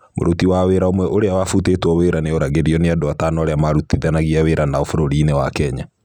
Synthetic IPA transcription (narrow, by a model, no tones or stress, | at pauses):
mo̰ɾotiwaweɾaomwɛʔoɾeawafutetwɔweɾaneɔɾaɣeɾiɔneadoatanɔaɾeamaɾutiðanaɣiaweɾanaɔfoɾoɾiːnewakɛɲa